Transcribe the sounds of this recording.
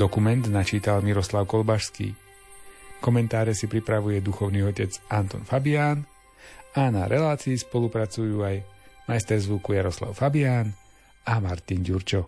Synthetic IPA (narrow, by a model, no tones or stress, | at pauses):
d̪ɔkumɛnd̪nat͡ʃiːt̪almiɾɔslaʊkɔlbaʃskḭː | kɔmɛnt̪aːɾɛsipɾipɾaʋujɛd̪uxɔʊniːɔcɛd͡zant̪ɔ̰nfabiaːn | anaɾɛlaːt͡siːspɔlupɾat͡sujuːajmajst̪ɛɾzʋukujaɾɔsla̰ʊfabiaːn | amaɾt̪inɟuɾt͡ʃɔ